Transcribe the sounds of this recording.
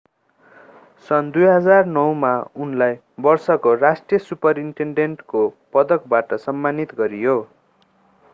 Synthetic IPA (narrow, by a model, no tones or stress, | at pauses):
sʌnd̪ujɦʌd͡zarnʌwmaunlaj | bʌrsʌkorasʈrijʌsupʌɾiɳʈeɳɖenʈkopʌd̪ʌkbaʈʌsʌmːanit̪ɡʌɾijo